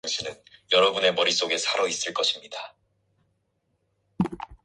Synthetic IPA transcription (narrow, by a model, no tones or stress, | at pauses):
ŋɕʰinɯnjʌɾʌbune̞mʌɾis͈oɡe̞sʰaɾʌis͈ɯɭk͈ʌɕʰimɲida